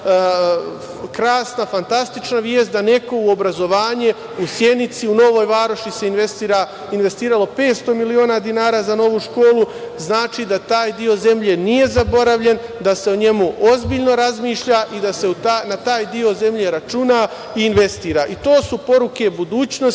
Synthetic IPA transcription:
kɾaːsnafant̪ast̪it͡ʃnaʋjeːst̪d̪ane̞ko̞uo̞bɾazo̞ʋaːɲe | usje̞nit̪siuno̞ʋo̞ːjʋaːɾoʃise̞inʋest̪iɾa | inʋe̞st̪iːɾalo̞pe̞ːt̪st̪o̞milio̞ːnad̪inaːɾaːzano̞ʋuʃko̞ːlˠu | znaːt͡ʃid̪at̪aːjd̪io̞ze̞mʎe̞nije̞zabo̞ɾaʋʎe̞nd̪ase̞oɲe̞muʔo̞zbiːʎno̞ɾazmiːʃʎaʔid̪aseut̪anat̪aːjd̪io̞ze̞mʎe̞ɾat͡ʃuna | iːnʋe̞st̪iːɾaʔit̪o̞ːsupo̞ɾuke̞bud̪uːt͡ɕno

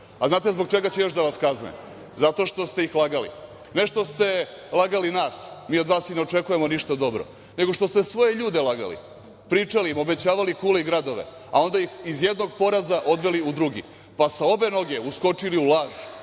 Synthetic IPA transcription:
aznaːt̪ezbo̞ɡ̚t͡ʃe̞ɡat͡ɕejo̞ʃd̪aʋaskaznḛm | zat̪o̞ʃt̪o̞st̪e̞ixlaɡalḭ | ne̞ʃt̪o̞st̪e̞ | lˠaɡalinaːsmiːo̞d̪ʋaːsineo̞t͡ʃe̞kuje̞moniʃt̪ad̪o̞bɾo̰ | ne̞ɡoʃt̪o̞st̪e̞sʋo̞je̞ʎuːd̪elaɡa̰lḭ | pɾiːt͡ʂalimo̞be̞t͡ɕaːʋalikuːleiɡɾad̪oʋḛ | a̰o̞nd̪ajixizjed̪no̞ɡ̚po̞ɾazaʔo̞d̪ʋe̞liud̪ɾuɡḭ | pasao̞be̞no̞ɡe̞usko̞t͡ʂiliulaːʒ

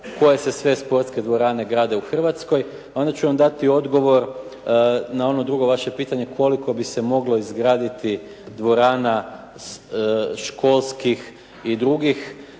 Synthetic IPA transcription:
ko̞je̞se̞sʋe̞spo̞ɾt̪ske̞d̪ʋo̞ɾaːne̞ɡɾaːd̪e̞uxr̩ʋat̪sko̞j | ao̞nd̪at͡ɕuʋamd̪at̪io̞d̪ɡo̞ʋo̞ɾ | nao̞no̞d̪ɾuɡo̞ʋaʃe̞piːt̪aɲe̞kʰo̞liko̞bise̞mo̞ɡlo̞izɡɾaːd̪it̪i | d̪ʋo̞ɾaːna | ʃko̞lˠskix | id̪ɾuɡix

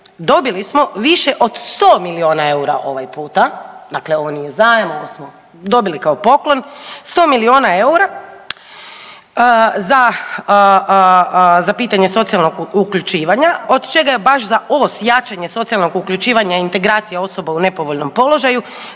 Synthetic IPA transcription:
d̪o̞bilismo̞ʋiʃe̞ʔo̞d̪st̪oːmilio̞ːnae̞uɾa̰ʔo̞ʋajpuːt̪ad̪akleo̞ʋonijezajemooʋosmo | d̪o̞bilikao̞po̞klo̞nst̪o̞ːmilio̞ːnae̞uɾa | za | zapiːt̪aɲe̞so̞t̪sialnoɡukʎut͡ʃiːʋaɲao̞d̪t͡ʃe̞ɡajebaʃ̬zaʔo̞ːsjaːt͡ʃaɲe̞so̞t̪sialˠno̞ɡukʎut͡ʃiːʋaɲaint̪e̞ɡɾaːt̪sijeo̞so̞baune̞po̞ʋoʎno̞mpo̞lo̞ʒaju

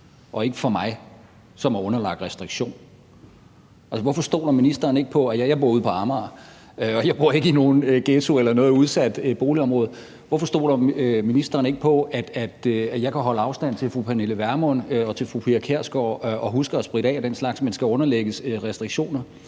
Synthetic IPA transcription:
ʔɒ̽e̝ɡ̥əfɒ̽mɑ̈ɪ | sɒ̽mæɔ̽nɐlɑ̈ɡ̥d̥ʁɛsd̥ʁiɡ̥ɕo̝̰ːn | ælsəʋɒfɒ̽sd̥o̝̰ːɾ̥ɐminisd̥ɐːne̝ɡ̥əpʰɒ̽æjjɑ̈ɪbo̝ɐuð̞̰ˠpʰɒ̽ɑ̈mɑ | øɒ̽jɑ̈ɪb̥o̝ɐ̰e̝ɡ̥əino̝ːn̩øɡ̥eːt͡sʰo̝elɐnɔ̽ːð̩ˠuð̞ˠsæd̥b̥o̝ːliɒ̽mʁɔ̽ːð̩ˠ | ʋɒfɒ̽sd̥o̝̰ːɾɐøminisd̥ɐːne̝ɡ̥əpʰɒ̽æd̥æd̥øjɑ̈ɪkʰæɦɒ̽ləɑ̈ʊsd̥æn̰t͡sʰe̝lfʁupʰæneləʋæɐmɔnɒ̽t͡sʰe̝lfʁupʰiækʰeɐ̰sɡ̥ɒʔɒ̽ɦusɡ̥ɐæsb̥ʁiɾ̥ɛ̰ːæd̥enslɑ̈ɡ̥smænsɡ̥æɔ̽nɐleɡ̥əsʁɛsd̥ʁiɡ̥ɕo̝̰ːnɐ

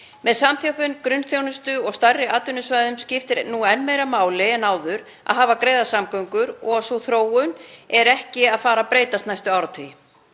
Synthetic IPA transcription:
mɛðsamθjowpʏnkɾʏnːθjownʏst̪ʏɔɣst̪arːɪʔaːt̪ʏnʏsvajðʏmscɪft̪ɪɾnːuɛnːmeːjɾamaːwlɪɛnaːwðʏɾ | a̰ðɦaːvakɾeːjðasamkœɥŋkʏɾɔɣasoθɾoːwʏnɛɾɛhcɪaðfaːɾapɾeːjt̪ast̪najst̪ʏaːwɾat̪ʰʏj

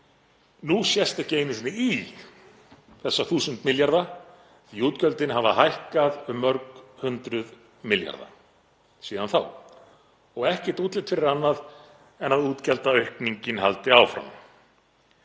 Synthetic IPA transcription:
nusjɛst̪ɪceːjnɪsnɪi | θɛsːaθuːsʏnt̪mɪljaɾða | θiuːt̪cœlt̪ɪnɦava̰hajhkaðʏmːœɾkhʏnt̪ɾʏð | mɪlja̰ɾða̰ | siːðanθaw | ɔɣɛhcɪt̪uːt̪lɪt̪fɪɾɪɾanːað | ɛnaðuːt̪cɛlt̪aœɥhkniɲcɪnɦa̰lt̪ɪaːwfɾa̰m

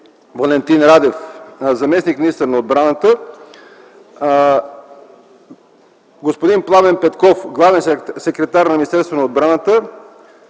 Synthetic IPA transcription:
vɐlɛnt̪inɾad̪ɛfzɐmɛsnikminist̪əɾnɐod̪̚bɾanət̪ə | ɡospod̪implˠavɛnpɛt̪kɔfɡlˠavɛnssɛkɾɛt̪aɾnɐmʲinist̪ɛɾsvonɐod̪̚bɾanət̪ə

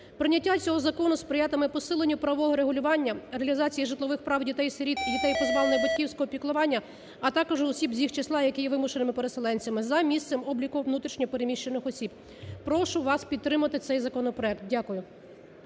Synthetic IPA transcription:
pɾɪnʲːɐtʲːat͡sʲɔɦɔzɐkɔnʊspɾɪjat̪ɐmɪpɔsɪlˠenʲːʊpɾɐʋɔɦɔɾeɦʊlʲʊʋɑnʲːɐɾeɐlʲizɑt͡sʲijiʒɪt̪lˠɔʋɪxpɾɑwdʲit̪ɛjseɾʲit̪idʲit̪ɛjpɔzʋɑlˠenɔjbɐtʲkʲiwsʲkɔɦɔpʲiklˠʊʋɑnʲːɐ | ɐt̪ɑkɔʒʊɔsʲibzʲixt͡ʃeslˠɑjɐkɪjɛʋɪmʊʃenɪmɪpeɾeselˠɛnʲt͡sʲɐmɪzɐmʲist̪ɪmɔblʲikɔʋnut̪ɾʲiʃnʲɔɔpeɾemʲiʃt͡ʃenɪxɔsʲib | pɾɔʃʊʋɑspʲid̪̚ɾɪmɐt̪ɪt̪sɛjzɐkɔnɔpɾɔɛkt̪̚dʲakʊjʊ

